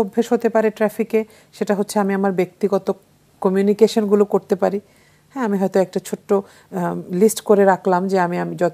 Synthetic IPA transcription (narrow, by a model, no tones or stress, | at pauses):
obʱːeʃɦot̪epaɾeʈɾɛfike | ʃeʈaɦotːɕʰeamiamaɾbek̚t̪iɡɔt̪o | kɔmjunikeʃonɡulokoɾt̪epaɾi | hɛ̃amiɦɔjt̪oɛk̚ʈat͡ɕʰoʈːo | lisʈkoɾeɾakʰlamd͡ʑeamiamid͡ʑɔt̪